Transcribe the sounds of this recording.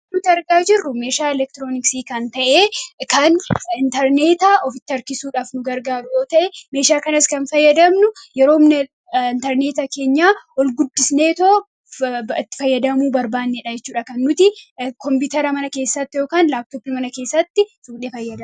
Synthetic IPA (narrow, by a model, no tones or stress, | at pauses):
nʊt̪ɪɐɾɡaːd͡ʒɪrːʊme̞ːʃaːɛlɛk̚t̪ɾoːnɪksiːkɐnt̪ɐʔeːkɐnɪnt̪ɐɾneːt̪aʔɔfɪt̪ːɐɾkɪsuːᶑaːfnʊɡɐɾɡaːɾʊjoːt̪ɐʔɛme̞ːʃaːkɐnɐskɐnfɐjːɐd̪ɐmnʊjɛɾo̞ːmnɐ | ɪnt̪ɐɾneːt̪ɐke̞ːɲːaːɔlɡʊd̪ːɪsne̞ːt̪oː | ɪt̪ːɪ̥fɐjːɐd̪ɐmuːbɐɾbaːnːeːᶑɐd͡ʒɛt͡ʃːuːᶑɐkɐnːʊt̪ɪkɔmpɪt̪ɐɾɐmɐnɐke̞ːsːɐt̪ːɪjo̞ːkaːnlaːb̚t̪oːbɪmɐnɐke̞ːsːɐt̪ːɪsuːᶑeːfɐjːɐd̪ɐm